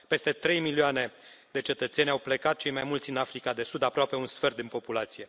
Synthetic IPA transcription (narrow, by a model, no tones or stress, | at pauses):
pe̞st̪e̞t̪ɾe̞jmilioane̞ | d̪e̞t͡ʃe̞t̪ət̪se̞nʲawplekat̪̚t͡ʃejmajmult̪sʲɨnafɾikad̪e̞sud̪apɾoape̞unsfert̪ɨnpo̞pulat̪sije̞